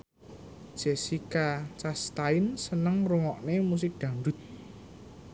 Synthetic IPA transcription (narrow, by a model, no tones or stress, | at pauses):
d̥ʒ̥e̤sikat͡ʃast̪aɪnsənəŋruŋɔʔnemus̬ɪk̚d̪̥ä̤ɳɖʊ̤t̪̚